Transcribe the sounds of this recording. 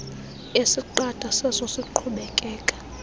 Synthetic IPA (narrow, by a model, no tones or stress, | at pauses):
esiǃad̥ʱasɛsosiǃʰuɓɛkʼɛːkʼḁ